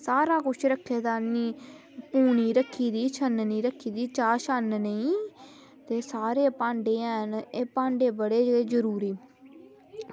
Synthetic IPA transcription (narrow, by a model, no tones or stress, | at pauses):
saːɾaːkʊt͡ʃʰɾəkʰːeːd̪aːniː | puːniːɾəkʰːiːd̪iːt͡ʃʰənnĩːɾəkʰːiːd̪iːt͡ʃaːʃənnəĩː | t̪eːsaːɾeːpãːɳɖeːɛːneːpãːɳɖeːbəɽeːd͡ʒeːzəɾuːɾiː